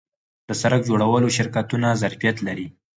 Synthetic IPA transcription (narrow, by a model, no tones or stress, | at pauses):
d̪̥əsaɾak̚d͡ʒoɽawəloʃɪɾkat̪unazaɾfijat̪laɾi